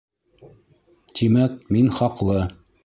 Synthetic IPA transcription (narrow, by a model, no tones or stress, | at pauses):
t̪imæk̚minχɑqlˠɤ